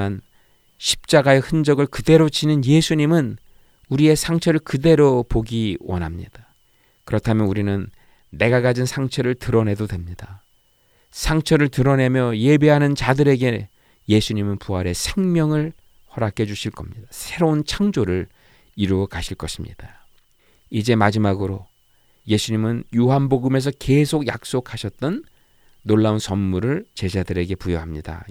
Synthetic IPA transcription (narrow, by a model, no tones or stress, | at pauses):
an | ɕʰi̥p̚t͡ɕ͈aɡae̞hɯnd͡ʑʌɡɯɭkɯde̞ɾot͡ɕinɯnje̞sʰuɲimɯn | uɾie̞sʰaŋt͡ɕʰʌɾɯɭkɯde̞ɾopoɡiwʌ̰nɦamɲḭd̥a | kɯɾʌtʰamjʌnuɾinɯnː | e̞ɡaɡad͡ʑinsʰaŋt͡ɕʰʌɾɯɭtɯɾʌne̞dodwe̞mɲida | sʰaŋt͡ɕʰʌɾɯɭtɯɾʌne̞mjʌje̞beɦanɯnt͡ɕadɯɾe̞ɡe̞ | je̞sʰuɲimɯnpuɦaɾe̞sʰe̞ŋmjʌŋɯɭ | hʌɾak͈ed͡ʑuɕʰiɭk͈ʌmɲid̥asʰe̞ɾount͡ɕʰaŋd͡ʑoɾɯɭ | iɾuʌkaɕʰiɭk͈ʌɕʰimɲḭd̥a | id͡ʑe̞mad͡ʑimaɡɯɾo | je̞sʰuɲimɯnjuɦanboɡɯme̞s̬ʰʌke̞sʰoɡja̰k̚s͈okʰaɕʰʌt̚t͈ʌnː | oɭːaunsʌnmuɾɯɭt͡ɕe̞d͡ʑadɯɾe̞ɡe̞pujoɦamɲida̰